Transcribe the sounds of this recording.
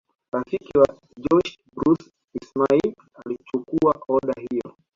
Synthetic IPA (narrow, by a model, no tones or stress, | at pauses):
ɾafikiwa | d͡ʒɔʃ | bɾus | ismail | alit͡ʃukuaɔɗaɦijɔ̰